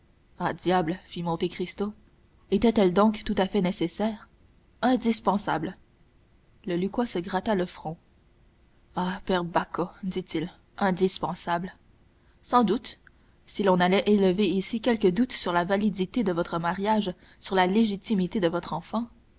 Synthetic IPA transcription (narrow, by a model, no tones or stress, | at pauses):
ad̪jablfimɔ̃t̪ekχist̪o | et̪ɛt̪ɛld̪ɔ̃kt̪ːut̪afɛnesesɛːʁ | ɛ̃d̪ispɑ̃sabl | ləlykwasəɡʁat̪aləfχɔ̃ | apɛʁbakʰod̪it̪ʰil | ɛ̃d̪ispɑ̃sabl | sɑ̃d̪ut̪ | silɔ̃nalɛʔeləveisikʲɛlkəd̪ut̪syʁlavalid̪it̪ed̪əvɔt̪χəmaʁjaʒ | syʁlaleʒit̪imit̪ed̪əvɔt̪χɑ̃fɑ̃